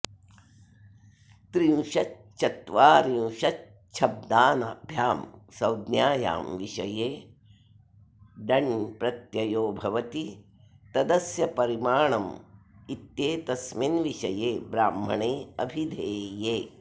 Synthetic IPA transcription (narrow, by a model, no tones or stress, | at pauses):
t̪ɾĩʃɐ | t͡ʃɐt̪ʋaːɾiw̃ʃɐ | t͡ʃʰɐb̚d̪aːnɐbʱjaːmsɐwd̪njaːja̰ːmʋiʃɐjeː | ɖɐɳpɾɐt̪jɐjoːbʱɐʋɐt̪i | t̪ɐd̪ɐsjɐpɐɾimaːɳɐmit̪jeːt̪ɐsminʋiʃɐjeːbɾaːmɐ̰ɳeːɐ̰bʱid̪ʱeːjeː